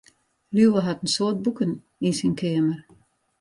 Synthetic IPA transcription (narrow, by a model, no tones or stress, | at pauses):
lyəɦatən̩soːt̚bukən | insinkʰeəmər